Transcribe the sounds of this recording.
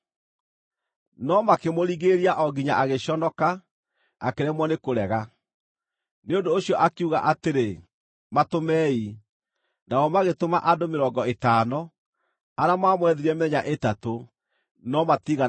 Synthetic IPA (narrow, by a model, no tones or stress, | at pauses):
nɔmakemoɾiɣeɾiaʔɔɡiɲaʔaɣeɕɔnɔka | a̰keɾɛmwɔnekoɾɛɣa | neondoːɕjɔʔakeuɣa̰ʔateɾe | matomɛːi | naɔmaɣetoma̰ʔadomeɾɔːɡɔetaːnɔ | aɾamaːmwɛðeɾɛmɛɲaʔetato | nɔmatiɣa